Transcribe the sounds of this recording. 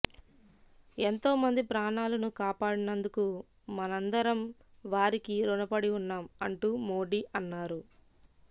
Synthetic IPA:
e̞nt̪o̞ːmɐnd̪ipɾaːɳaːlɐnukaːpaːɽinɐnd̪uku | mɐnɐnd̪ɐɾɐmʋaːɾikiɾunɐpɐɽiunːaːmɐ̰ɳʈumo̞ːɽiʔɐnːaːɾu

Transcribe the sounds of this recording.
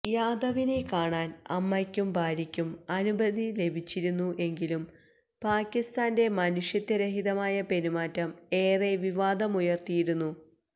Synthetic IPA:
jaːd̪ɐʋinekaːɳaːnɐ̰mːɐkʲːumbʱaːɾikʲːumɐnubʱɐðile̞bʱit͡ɕːiɾunːuʔe̞ŋɡilum | paːkʲːist̪aːnde̞mɐnuʂjɐt̪ːɐɾeɦiðɐmaːjɐpe̞nimaːtːɐme̞ːreʋiʋaːd̪ɐmujɐrt̪ijiɾunːu

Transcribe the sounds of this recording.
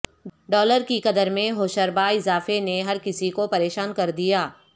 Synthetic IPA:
ɖɔːləɾkikɐd̪əɾmẽɦoːʃəɾbaɪzaːfeneɦɐɾkɪsikopɐɾeːʃaːnkɐɾd̪ijaː

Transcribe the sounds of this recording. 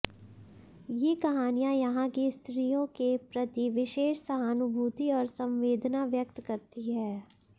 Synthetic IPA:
jekɐɦaːnijajɐɦãkist̪ɾijõkepɾɐt̪iʋɪʃeːʃsɐɦaːnʊbʱuːt̪iɔːɾsɐ̃mʋeːd̪naʋjɐk̚t̪kɐɾt̪iɦɛː

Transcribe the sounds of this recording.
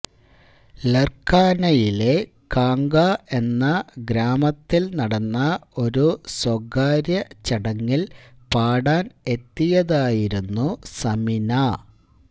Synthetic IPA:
lerkaːnɐjile̞ | kaːŋɡaʔe̞nːɐɡɾaːmɐt̪ːilnɐɽɐnːɐo̞ɾuswɐɡaːɾjɐt͡ɕɐɽɐŋːil | paːɽaːne̞t̪ːijɐðaːjiɾunːusɐmina

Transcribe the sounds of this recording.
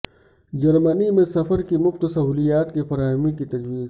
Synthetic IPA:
d͡ʒɐɾmənimẽsɐfəɾkimʊft̪sɐɦuːlijaːt̪kifɐɾaːɦmĩkit̪ɐd͡ʒwiːz

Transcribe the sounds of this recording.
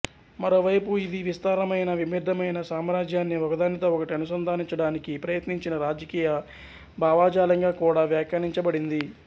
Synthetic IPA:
mɐɾo̞ːʋɐjpuid̪iʋist̪aːɾɐmɐjnɐʋimid̪ːɐmɐjnɐsaːmɾaːd͡ʒjaːnːiɔkɐd̪aːnit̪ɐɔkɐʈiɐnusɐnd̪ʱaːniɲt͡ʃɐɽaːnikipɾɐjɐt̪niɲt͡ʃinɐɾaːd͡ʒɐkiːjɐ | bʱaːʋaːd͡ʒaːlɐŋɡaːkuːɽaːʋjaːkɐɳiɲt͡ʃɐbɐɽind̪i

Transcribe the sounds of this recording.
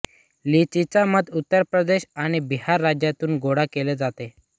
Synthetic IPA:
lit͡ɕit͡saməd̪ut̪ːəɾpɾəd̪eɕaɽ̃ibihaɾːad͡ʑjat̪uːnɡoɽakeled͡zat̪e

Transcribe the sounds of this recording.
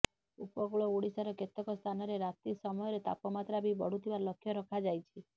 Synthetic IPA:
upɔɡuɭɔoɽisaɾɔket̪ɔkɔst̪ʰanɔɾeɾat̪isɔmɔjɔɾet̪a̰pɔmat̪ɾabibɔ̰ɽ̤ut̪ʰibalɔkʰːjɔɾɔkʰad͡ʒajt͡ʃʰi

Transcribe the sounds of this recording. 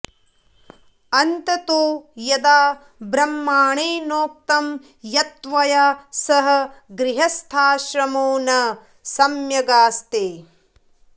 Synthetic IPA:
ɐnt̪ɐt̪oːjɐd̪aː | bɾɐmːaːɳeːnoːk̚t̪ɐm | jɐt̪ʋɐjasɐɦɐ̆ɡɾiɦɐst̪ʰaːʃɾɐmoːnɐ | sɐmjɐɡaːst̪eː

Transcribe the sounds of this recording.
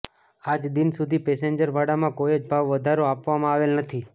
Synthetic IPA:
ad͡ʒd̪insud̪ʱipeseɲd͡ʒəɾʋaɽamãkojod͡ʒbʱaʋːəd̪ʱaɾoapʋamãaʋelnət̪ʰi

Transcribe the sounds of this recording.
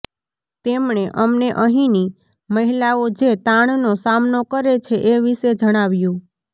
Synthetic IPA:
t̪emɳ̃eʔəmneʔəɦĩni | məɦilaod͡ʒet̪aɳ̃nosamnokəɾet͡ʃʰeʔeʋiʃed͡ʒəɽ̃aʋjũ

